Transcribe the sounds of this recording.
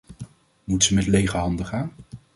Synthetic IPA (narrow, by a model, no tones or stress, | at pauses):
mutsəmɛtlejχəɹɦɑndəχaːn